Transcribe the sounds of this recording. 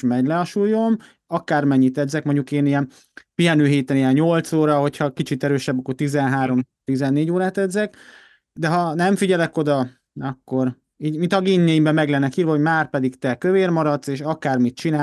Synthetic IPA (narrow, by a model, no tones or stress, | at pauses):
mɛɟlɛɒʃujːo̞m | ɒkaːrmɛɲːit̪ɛd̪zɛkmoɲɟukeːnijɛm | piɦɛnøːɦeːt̪ɛnijɛɲɲo̞lt̪soːɾɒɦo̞cʰhɒkit͡ʃit̪ɛɾøːʃɛbːɒkːort̪izɛnɦaːɾo̞mt̪izɛnːeːɟoːɾaːt̪ɛd̪zɛk | d̪ɛɦɒnɛmfiɟɛlɛko̞d̪ɒ | ɒkːo̞ɾ | iːɟmint̪ɒɡiːɲːɛjimbɛmːɛɡlɛnːɛkhiːɾvɛɦoɟmaːrpɛd̪ikt̪ɛkøveːrmɒɾɒt̪seːʃɒkaːrmit̪̚t͡ʃinaː